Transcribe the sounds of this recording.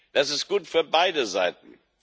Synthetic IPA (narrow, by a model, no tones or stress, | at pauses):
d̥asɪstɡ̥uːtfyːɐbaɪdəzaɪtn̩